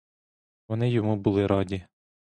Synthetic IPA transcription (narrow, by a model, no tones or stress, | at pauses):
ʋɔnɪjɔmubʊlˠɪɾɑdʲi